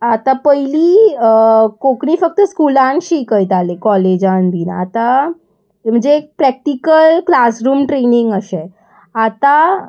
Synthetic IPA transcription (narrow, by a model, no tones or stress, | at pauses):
at̪ãpəili | koknifək̚t̪əskulanʃikəjt̪alekɔled͡ʒanbina̰t̪a | m̤əd͡ʒeːk̚pɾɛk̚ʈikəlklasɾumʈɾeniŋɡəʃe | at̪a